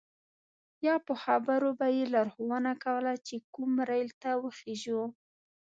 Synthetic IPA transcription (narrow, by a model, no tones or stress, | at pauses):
jɑpəxabəɾobajelɑɾxowənakawəlat͡ʃekumɾajlt̪awəxeʒu